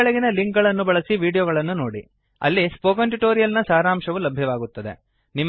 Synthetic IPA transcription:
ɐɭɐɡinɐliŋkɡɐɭɐnːubɐɭɐsiʋiːɽijɔːɡɐɭɐnːuno̞ːɽḭ | ɐ̰lːispoːkɐnʈuʈoːɾijɐlnɐsaːɾaːmʂɐʋulɐbʱjɐʋaːɡut̪ːɐd̪e̞̰ | nim

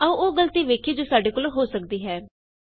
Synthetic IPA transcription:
əũːoːɡəlt̪iːʋeːkʰiːd͡ʒoːsaːɖeːkoːlɦoːsək̚d̪iːɦɛː

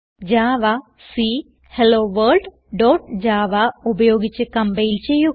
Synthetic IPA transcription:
d͡ʑaːʋa | si | heloːʋɐːɖ | ɖoːʈd͡ʑaːʋaubɐjo̞ːɡit͡ɕːɨkɐmbɐjilt͡ɕe̞jːu

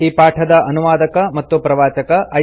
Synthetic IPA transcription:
iːpaːʈʰɐd̪ɐʔɐnuʋaːd̪ɐkɐmɐt̪ːupɾɐʋaːt͡ʃɐkɐʔɐ

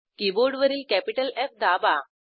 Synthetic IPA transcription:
kiboɾɖʋəɾiːlkæpiʈəlɛfd̪aba

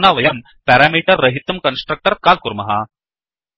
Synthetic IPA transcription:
naːʋɐjɐm | pɛɾaːmiːʈɐrːɐɦit̪ːɐmkɐnsʈɾɐk̚ʈɐɾkaːl̚kuɾmɐɦa

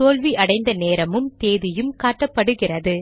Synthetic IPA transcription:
oːlʋiʔɐɽɐɪnd̪ɐneːɾɐmɯmt̪eːðɪjɯmkaːʈːɐpːɐɽɯɣɪrɐðɯ

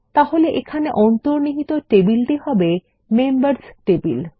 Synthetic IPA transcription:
t̪aɦoleʔekʰaneʔɔnt̪oɾniɦit̪oʈebilʈiɦɔbe | membaɾsʈebil

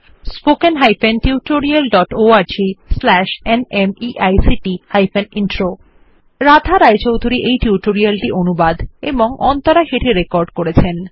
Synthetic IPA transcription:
spokenɦajpenʈiuʈoɾialɖɔʈoaɾd͡ʑislɛʃenemiʔajsiʈihajpʰeninʈɾo | ɾad̪ʱaɾajt͡ɕowd̪ʱuɾiʔejʈiuʈoɾialʈiʔonubad̪ḛboŋʔɔnt̪oɾaɦeʈʰiɾekɔɾɖkoɾet͡ɕʰen

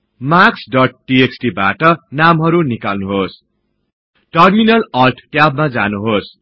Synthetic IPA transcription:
maksɖʌʈ̚ʈieksʈibaʈʌnamɦʌɾunikalnuɦos | ʈʌrminʌlʌlʈʰʈjabmad͡zanuɦos

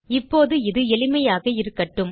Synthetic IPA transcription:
ɪpːoːðɯɪðɯɛɭɪmɐjaːɣɐɪɾɯkːɐʈːɯm

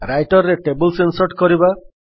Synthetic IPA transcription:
ɾajʈɔɾːeʈebulsensɔʈkɔɾiba

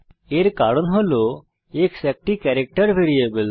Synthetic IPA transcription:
eɾkaːɽonɦolo | eːksɛk̚ʈikɛɾek̚ʈəɾʋʱeːɾiebəl

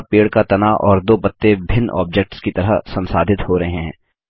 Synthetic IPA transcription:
peːɽkat̪ɐnaːʔɔːɾd̪oːpɐt̪ːebʱɪnːʔɔ̰ːbd͡ʒek̚ʈskit̪ɐɾəsɐ̃nsaːd̪ʱɪt̪hoɾɐɦeɦɛ̰̃ː

